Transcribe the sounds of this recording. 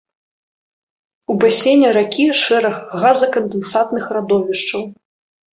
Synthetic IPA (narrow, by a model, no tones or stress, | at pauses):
ubasʲenʲɐɾakʲiʂɛɾɐɣːazɐkɐnd̪ɛnsat̪nɨxrad̪ɔvʲiʂt͡ʂɐw